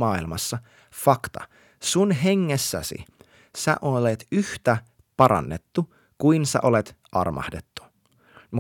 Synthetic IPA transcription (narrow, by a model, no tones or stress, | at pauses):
ɑːilmɑsːɑ | fɑkt̪ɑ̰ | sunɦeŋːesːæ̰sḭ | sæ̰ʔolet̪yht̪æ | pɑɾɑ̰nːet̪ːu | kuinsæ̰ʔo̞let̪ʔɑ̰rmʔɑ̰hde̞t̪ːu̥ | m